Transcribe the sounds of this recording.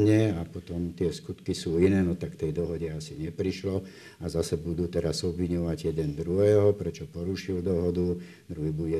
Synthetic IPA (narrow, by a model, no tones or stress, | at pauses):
ɲɛapɔt̪ɔmt̪ɪɛskut̪kisuːinɛːnɔt̪akt̪ɛjd̪ɔɦɔɟɛasiɲɛpɾiʃlɔ | azasɛbud̪uːt̪ɛɾazɔbʋiɲɔʋaɟjɛd̪ɛnd̪ɾuɦɛːɦɔpɾɛt͡ʃɔpɔɾuʃild̪ɔɦɔd̪u | d̪ɾuɦiːbuɟɛ